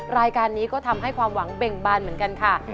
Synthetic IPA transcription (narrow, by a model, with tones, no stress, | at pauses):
ɾaː˧jkaː˧nːiː˦˥kɔː˥˩t̪ʰa˧mɦa˥˩jkʰwaː˧mwa˩˦ŋbe˨˧˩ŋbaː˧˩nmɯ˨˩˦ənka˧nkʰa˥˩